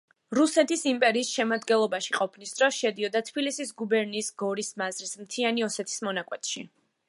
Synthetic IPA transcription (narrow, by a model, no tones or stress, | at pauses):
ɾusɛt̪ʰisimpʼɛɾiːsʃɛmad̪ɡɛnlˠɔbaʃiqʼɔpʰnisd̪ɾɔsʃɛd̪iɔd̪at̪ʰbilisisɡubɛɾniːsɡɔɾismazɾismt̪ʰianiɔsɛt̪ʰi̥smɔnakʼwɛt̪ʰʼʃi